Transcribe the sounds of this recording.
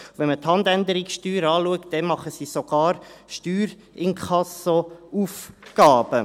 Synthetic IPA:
vɛnməthɑnd̪ænd̪əɾiksʃtyːɾɑːluəktd̥ɛnmɑχəsiːsoɡ̥ɑːɾʃtyːɾ | ɪnkʰχɑsouːfɡ̥ɑːb̥ə

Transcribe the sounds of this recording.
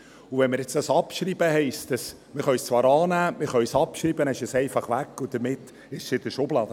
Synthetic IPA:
ʊvɛnmɪɾjɛt͡sd̥ɑsɑpʃɾiːbəhɛɪstəs | mɪɾχœɥst͡svɑːɾɑːnæːmɪɾχœɥsɑpʃɾiːbənɛɪʃəsɛɪfɑχʋækːʊd̥̪əɾmɪt̪ː | ɪʃsɪdəʃoblɑːd̥̪ə

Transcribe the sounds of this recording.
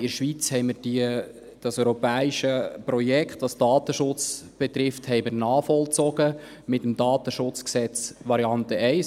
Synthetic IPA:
ɪʃʋit͡shɛɪmɪɾd̥i | d̥ɑsœʏɾɔpɛːiʃəpɾɔjɛkχt̪ʋɑsd̥ɑːt̪əʃʊt͡sb̥ɛt̪ɾɪfthɛɪmɪɾnɑːχfɔlt͡sɔɡ̥ə | mɪt̪əmd̥ɑːt̪əʃʊt͡sksɛt͡sʋɑɾiɑnt̪əɛɪs

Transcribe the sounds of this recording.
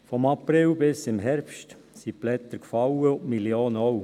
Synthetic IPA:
fɔmɑpɾɪwbɪsɪmɦɛɾpʃt | siplɛt̪əɾkfɑwəʊtmiljoːnɔw

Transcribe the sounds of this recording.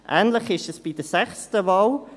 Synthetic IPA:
ʔɛːnləχɪʃɛsb̥id̥əsɛχstəvɑːl

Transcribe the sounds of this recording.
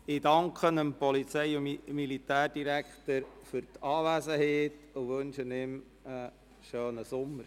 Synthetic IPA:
ɪdɑŋkχənəmpɔlit͡sɛɪʊmilitæːrd̥iɾækχtəɾfʏɾtɑːʋæsəheːt | ʊʋɵnʃənɪm | ə | ʃøːnəsʊmːəɾ

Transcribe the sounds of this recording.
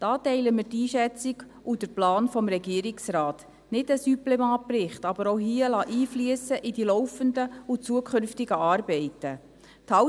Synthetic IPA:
d̥ɑːtɛɪləmɪtiːʃɛt͡siɡ | ud̥əɾplɑːnfɔmɾɛɡiəɾɪksrɑːt | nɪdəsyplɛmɑːt̚prɪχtɑb̥əɾɔwɦiəlɑʔiːflyəsəʔidilɔwfəndəut͡suəkʰʏnftiɡəɑːɾbɛɪtə | t̪ʰhɑ

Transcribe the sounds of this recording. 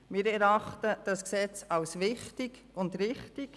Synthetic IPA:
mɪɾɛɾɑχtəd̥ɑsksɛt͡sɑwsʋɪχtiɡ | ʊndɾɪχtik

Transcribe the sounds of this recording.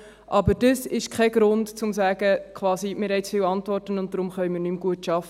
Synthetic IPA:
ʔɑbəɾd̥əsɪʃkʰχɛɡ̥ɾʊndt͡sʊmsæːɡəkʰʋɑːsimɪɾɦɛɪt͡sfiːwɑntʋɔrtənʊnt̚d̥ɾʊmχœjmɪːrnymɡ̥uətʃɑfə

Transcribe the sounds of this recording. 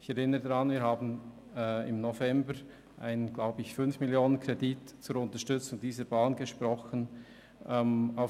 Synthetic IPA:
ɪçɛɾɪnəədaʁɑnviːɾhaːbn̩ | ɪ̰mnovɛmbəɾ | ʔa̰ɪnənɡ̥laʊbəɪçfʏnfmɪljoːnənkʰʁedit | t͡sʊɾʊntəʃtʏt͡sʊŋdiːzəɾbaːnɡeʃpɾɔχən | ʔɛmaʊ

